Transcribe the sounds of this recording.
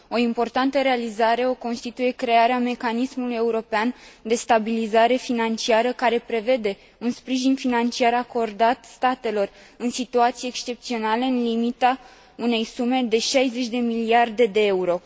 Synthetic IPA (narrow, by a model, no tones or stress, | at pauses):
o̞impo̞rt̪ant̪əɾe̞alizaɾe̞o̞ko̞nst̪it̪uje̞kɾe̞aɾeame̞kanismuluje̞uɾo̞peand̪e̞st̪abilizaɾe̞finant͡ʃiaɾəkaɾe̞pɾe̞ve̞d̪e̞ | unspɾiʒinfinant͡ʃiaɾako̞rd̪at̪st̪at̪e̞lo̞r | ɨnsit̪uat̪sijeːkst͡ʃe̞pt̪sio̞naleɨnlimit̪a | une̞jsume̞d̪e̞ʃajze̞t͡ʃʲd̪e̞miliard̪e̞d̪e̞euɾo̞